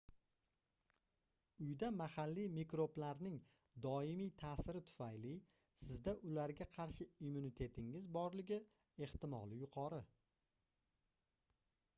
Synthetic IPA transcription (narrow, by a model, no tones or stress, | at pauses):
ʊjd̪amahalːijmikɾo̞blaɾnɪŋ | d̪ɒɪmijt̪ʰaːsɪɾɪt̪ʰʊ̥fajlɪ | sɪzd̪aʔʊlaɾɡʲaqʰɑɾʃɪimunit̪ʰe̞t̪ʰɪŋɪzbɒɾlɪɡʲɪ | e̞ht̪ɪmɒ̰lˠɪjʊqʰɒɾɪ